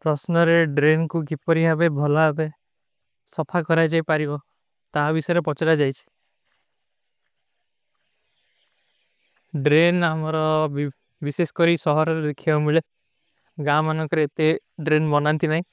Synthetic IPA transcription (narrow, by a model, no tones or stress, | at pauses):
pɾɔsnɔɾeɖɾenkuɡipɔɾiɦabebʱɔlaɦabe | sɔpʰakɔɾajd͡ʒajpaɾibɔ | t̪abisɔjɔɾepɔt͡ʃaɾad͡ʒajt͡ʃʰi̥ | ɖɾenamɔɾɔ | bisesɔ̥kɔɾisɔɦɔɾɔɾelekʰiaumuɭe | ɡamanɔŋkɔɾet̪eɖɾenbɔnant̪inaɦĩ